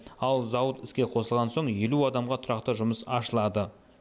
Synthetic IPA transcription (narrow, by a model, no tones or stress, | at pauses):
ɑlˠzɑwət̪ɪskʲe̞qʰo̞səlˠʁɑnso̞ɴje̞luɑd̪ɑmʁɑt̪ʰʊɾɑqt̪əʒʊməsɑ̰ʃəlˠɑd̪ə